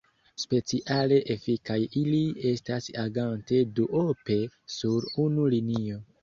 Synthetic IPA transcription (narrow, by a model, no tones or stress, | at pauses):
spe̞t͡siʔale̞ʔefikajilie̞stasaɡante̞duʔope̞suɾunulinio̞